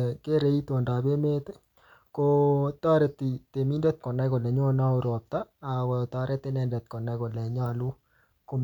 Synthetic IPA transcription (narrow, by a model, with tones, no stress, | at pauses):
ke˦ɾe˦i˦t̪wo˨nda˨be˦me˦t̪e˦ | kot̪a˦ɾe˨t̪i˨t̪e˨mi˦ndɛ˦t̪̚kɔ˨nɛ˦kɔ˨lɛ˨ɲo˦na˦o˦ɾɔ˨p̚t̪a˦a˨wɔ˨t̪a˨ɾɛ˦t̪ɪ˦nɛ˨ndɛ˨t̪̚kɔ˨nɛ˨˦kɔ˨lɛ˨ɲa˦lu˦ | ko˦